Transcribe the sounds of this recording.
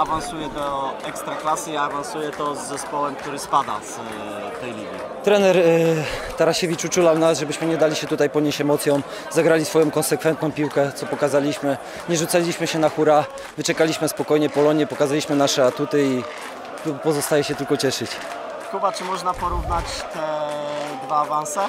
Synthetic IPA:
avansujɛd̪ɔɛkst̪ɾaklasɘiavansujɛt̪ɔzːɛspɔwɛmk̚t̪uɾɘspad̪a̰s | t̪ɛjlʲiɡʲi | t̪ɾɛnɛɾ | t̪aɾaɕɛvʲit͡ʂut͡ʂulawnasʐɛbɘɕmɘɲɛd̪alʲiɕɛt̪ut̪ajpɔɲeɕɛmɔt̪sʲjɔ̃w̃ | zaɡɾalʲisfɔjɔ̃w̃kɔnsɛkfɛnt̪nɔ̃w̃pʲiwkɛt̪sɔpɔkazalʲiɕmɘ | ɲɛʐut̪salʲiɕmɘɕɛnaxuɾa | vɘt͡ʂɛkalʲiɕmɘspɔkɔjɲɛpɔlɔɲɛpɔkazalʲiɕmɘnaʂɛat̪ut̪ɘi | pɔzɔst̪ajɛɕɛt̪ɘlkɔt͡ɕɛʂɘt͡ɕ | xubat͡ʂɘmɔʐnapɔɾuvnat͡ɕ | t̪ɛd̪vaːvansɛ

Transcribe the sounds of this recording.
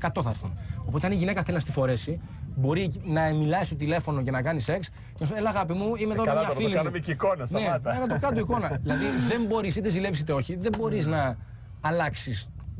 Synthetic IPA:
kɐt̪o̞θɐɾθḭnopo̞t̪e̞ɐniʝine̞kɐθelinɐst̪ifo̞ɾe̞si | bo̞ɾinɐemilɐist̪ot̪ile̞fo̞no̞cenɐkɐnise̞ks | cenɐs̬elɐːɣɐpimuimeðomɐffiliɐnomeikonɐsnet̪ɐkɐt̪okɐt̪uiko̞nɐðilɐðiðe̞mbo̞ɾisit̪ezile̞visit̪eo̞çiðe̞mbo̞ɾiznɐː | lɐksis

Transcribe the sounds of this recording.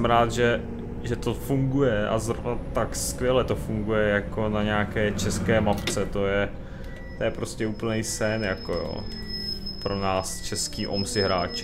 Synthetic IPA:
ɛmɾaːt̪ʒɛ | ʒɛt̪o̞fuŋɡujɛʔa̰zɾo̰vnat̪akskʋʲjɛlɛt̪ofuŋɡujɛjako̞naɲaːkɛːt͡ʃɛskɛːmapt͡sɛt̪o̞jɛ | t̪ojɛpɾo̞scɛuːpl̩nɛjsɛnjakojo̰ː | pɾo̞naːst͡ʃɛskiːʔo̰msɪɦɾaːt͡ʃ

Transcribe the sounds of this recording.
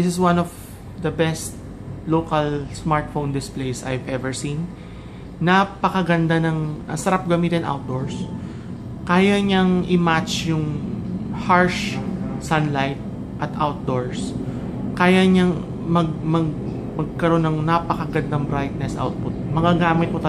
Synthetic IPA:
ɪsɪswɐnɔv | d̪ɐbɛst̪̚ | loːkɐlsmaɹt̪̚fond̪ɪsplejsʔa̰jvʔɛvɛɹsĩnː | apɐkɐɡɐnd̪anɐŋɐsɐɾap̚ɡɐmiːt̪ɪnʔa̰wt̪̚d̪oɹs | kaːjɐɲɐŋʔɪmat͡ʃjʊŋ | haɹʃsɐnlajt̪̚ | ʔɐt̪ʔawt̪̚d̪oɹs | kaːjɐɲɐŋ | mɐɡ̚mɐɡ | mɐɡ̚kɐɾo̞nːɐŋnɐpɐkɐɡɐd̪̚nɐŋbɾajt̪̚nɛsʔa̰wt̪̚pʊt̪̚mɐɡaɡaːmɪt̪̚mot̪ɐ

